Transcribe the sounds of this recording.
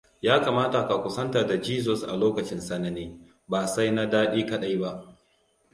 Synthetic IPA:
jaː˦kaː˨maː˦ta˨ka˨kʷʊ˦sɐ˦nta˨da˨d͡ʒiː˦z̬ɔ˨sʔa̰˨loː˦kɐ˨t͡ʃɪ˦nsa˨na˨neː˦ | baː˨sa˦jna˦daː˦ɗiː˦kɐ˦ɗa˨jba˦ʔ

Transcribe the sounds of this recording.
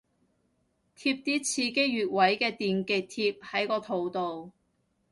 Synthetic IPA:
t̪ʰiː˧˥p̚t̪iː˥t͡sʰiː˧ke˥jyː˨t̚wɐ˨˥jkɛː˧t̪iː˨nke˨k̚t̪ʰiː˧p̚hɐ˨˥jkɔː˧t̪ʰo˨˧˩wt̪o˨w

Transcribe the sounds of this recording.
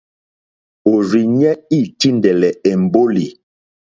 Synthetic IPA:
o˨ɾi˨ɲɛ˦i˦˨ti˦ndɛ˨lɛ˨ɛ˨m˨bo˦li˨

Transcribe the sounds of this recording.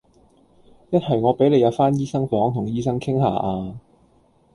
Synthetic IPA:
jɐ˥t̚hɐ˨jŋɔː˨˧pe˨˥jle˨˧jɐ˨˧wfaː˥njiː˥sɐ˥ŋfɔː˨˥ŋt̪ʰʊ˨˩ŋjiː˥sɐ˥ŋkʰɪ˥ŋha̰ː˨ʔaː˧

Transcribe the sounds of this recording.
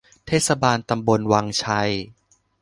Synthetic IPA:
t̪ʰeː˥˩t̪̚sa˧baː˧nt̪a˧mbo˧nwa˧ŋt͡ɕʰa˧j

